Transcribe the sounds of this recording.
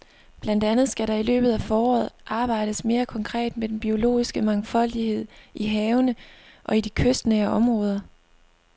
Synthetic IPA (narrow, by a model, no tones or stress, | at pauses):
b̥læn̰d̥ænð̞̩ˠsɡ̥æɾɑ̈ilø̰ːb̥ð̞̩ˠæfɒːɒ̰ːð̞̩ˠʔɑ̈ːb̥ɑ̈ɪ̰ɾ̥əsme̝ːɐkʰɒ̽ŋkʰʁɛ̰ːd̥med̥enb̥io̝lo̝̰ːisɡ̥əmɑ̈ŋfɒ̽l̰d̥ihe̝ð̞̰ˠiɦɛːʊnəʔɒ̽id̥ikʰøsd̥nɛɐʔɒ̽mʁɔ̽ːð̞ˠɐ